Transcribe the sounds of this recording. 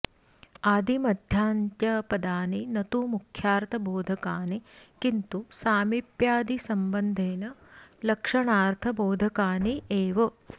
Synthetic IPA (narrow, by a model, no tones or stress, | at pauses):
aːd̪ʱimɐd̪ʱjaːnt̪jɐpɐd̪aːninɐt̪umukʰjaːɾt̪ʰɐboːd̪ʱɐkaːnikint̪usaːmipjaːd̪isɐmbɐnd̪ʱeːnɐlɐkʂɐɳaːɾt̪ʰɐboːd̪ʱɐkaːnieːʋɐ